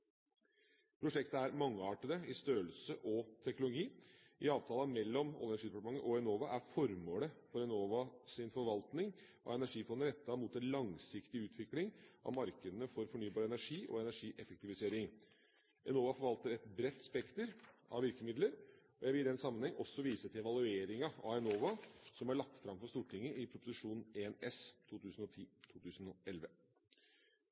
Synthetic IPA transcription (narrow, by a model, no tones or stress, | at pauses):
pʰɾʊʂɛkt̪əæɾmɑŋːəɑːʈəd̪əɪst̪øːəlsəʔɔt̪ʰɛknʊlʊɡiː | ʔɪɑːʋt̪ʰɑːləmɛlːɔmɔ̰lənæʂiːd̪ɛpɑʈəmɑŋːəʔɔɛnoːʋɑʔæɾfɔɾmoːləfɔɾɛnoːʋɑsɪnfɔɾʋɑlt̪nɪŋʔɑ̰ɛnæʂiːfɔnd̪əɾɛt̪ʰːɑmuːt̪ɛnlɑŋsɪkt̪ɪʉːt̪ʰʋɪklɪŋʔɑ̰ʋmɑɾkəd̪ənəfɔɾfɔɳyːbɑːɾəɛnæʂiːʔɔ̰ɛnæʂiːʔɛfək̚t̪ɪʋɪseːɾɪŋ | ʔɛnoːʋɑfɔɾʋɑlt̪əɾɛt̪bɾɛt̪ːspɛkt̪əɾʔɑ̰ʋɪɾkəmɪd̪ləɾ | ɔjæɪʋɪd̪ɛnsɑmːənhɛŋːʔɔsːɔʋiːsət̪ʰɪɛʋɑlˠʉeːɾɪŋɑɑ̰ɛnoːʋɑsɔmæɭɑk̚t̪fɾɑmfɔʂt̪uːʈʰɪŋːəɪpʰɾʊpʊsɪʂuːnneːnɛst̪ʰuːt̪ʉːsn̩ɔt̪ʰiːt̪ʰuːt̪ʰʉːsn̩ɔɛlʋə